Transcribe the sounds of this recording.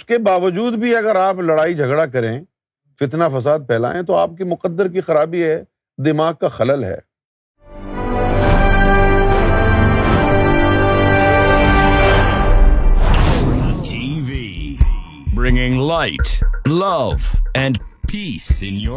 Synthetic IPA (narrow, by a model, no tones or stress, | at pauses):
ʊskebaːʋəd͡ʒuːd̪bʱiɐɡəɾaːplɐɽaːid͡ʒʱɐɡɽak̬ɐɾẽ | fɪt̪nafɐs̬aːd̪̚pʰɛːla̰ːẽt̪oaːp̚kimʊqəd̪ːəɾkixɐɾaːbiɦɛː | d̪ɪmaːɡ̚kaxɐləlɦɛ̰ː | tʰivi | bɹɪ̃ŋɪ̃ŋlaɪtlʌvɛ̃npʰisɪ̃nj